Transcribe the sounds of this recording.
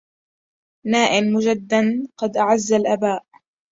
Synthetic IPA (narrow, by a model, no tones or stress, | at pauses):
naːʔɪnmʊd͡ʒad̪ːanqɑd̪ʔaʕazːalʔabaːʔ